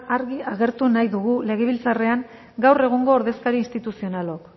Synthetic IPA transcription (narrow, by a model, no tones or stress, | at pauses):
aɾɣiaɣe̞ɾt̪unajðuɣule̞ɣ̞e̞β̞ilt͡sare̞aŋ | ɡawre̞ɣ̞uŋɡo̞ːɾðe̞skaɾiːnst̪it̪usionalok